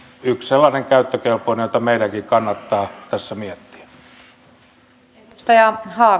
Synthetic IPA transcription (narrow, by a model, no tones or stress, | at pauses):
yksselːɑːneŋkæyt̪ːøkelpˑoˑinejoˑt̪ɑmeˑilæŋkikɑnːɑt̪ːɑːt̪æsːæmiet̪ːi̥æ̥ | t̪ɑjɑhɑː